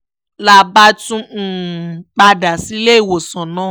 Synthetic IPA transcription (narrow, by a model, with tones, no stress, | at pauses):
la˦ba˦tũ˦˨k͡pa˧da˨si˨˦le˦i˦˨wo˨sã˨nãː˦˨